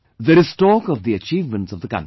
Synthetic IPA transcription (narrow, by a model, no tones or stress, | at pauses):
ðəɾɪsʈɔːkɔvd̪iət͡ʃiːvmə̃ɳʈsɔvd̪əkã̰